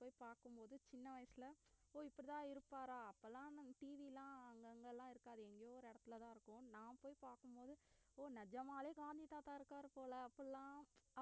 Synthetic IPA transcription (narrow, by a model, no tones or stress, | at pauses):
poːjipaːɾkɯmpoːðɯt͡ʃɪnːɐʋɐjɐsɪlɐoːɪpːɐɽɪt̪ãːɪɾɯpːaːɾaːɐpːɐlãːʈiːʋilãːɐŋɡɐŋɡɐlːãːɪɾɯkːaːðɯɛŋɡɐjoːɔɾɯɛɽɐt̪ːɪlɐt̪ãːɪɾɯkːʊ̃nãːpoːjpaːɾkɯmpoːðɯoːnɐd͡ʒɐmaːleːɡaːnd̪it̪aːt̪aːɪɾɯkːaːɾɯpoːlɐɐpːɐɽlːãː